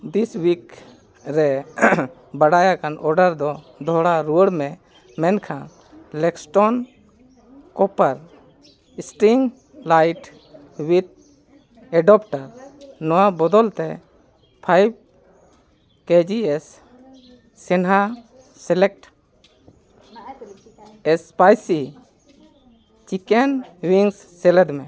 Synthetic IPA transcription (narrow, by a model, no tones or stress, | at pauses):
d̪iswik | ɾɛ | baɽajakanʔɔɾɖaɾd̪ɔ | d̪ʱɔɽaɾuəɽmɛ | mɛnkʰã | lɛksʈɔn | kɔpaɾ | isʈiŋ | lajʈ | wit̪̚ | ɛɖɔpʈaɾnɔwabɔd̪ɔlt̪ɛ | pʰajb̚ | ked͡ʒiɛs | ɛnɦa | sɛlɛk̚ʈ | ɛspajsi | t͡ʃikɛnwiŋsːɛlɛd̪mɛ̃